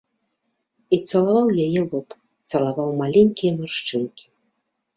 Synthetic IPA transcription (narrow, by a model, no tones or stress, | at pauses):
it̪sɐlˠavawjajɛlˠɔp | t̪sɐlˠavawmalʲenʲkʲijɐmʲɨrʂt͡ʂɨnkʲi̥